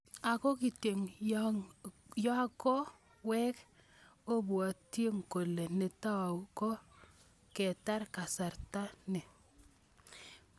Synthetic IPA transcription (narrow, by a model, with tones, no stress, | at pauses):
a˨ko˦ki˨te˨ŋ | jɔ˦a˦kɔ˦ | wɛ˦k | o˦bwɔ˨te˦ŋko˨le˨nɪ˨ta˦wa˨kɔ˦ | kɛ˨ta˦ɾka˨sa˨rta˦nɛ˨